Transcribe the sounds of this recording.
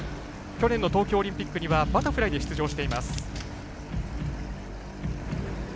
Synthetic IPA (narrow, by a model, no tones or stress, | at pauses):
kʲo̞nẽ̞nːo̞t̪o̞ːkʲo̞ːɾʲĩmpʲikːɯ̟ɲ̟iβabat̪aɸɯ̟ɾaid̪e̞ɕi̥t͡sɨʑo̞ːɕi̥t̪e̞imasɨ̥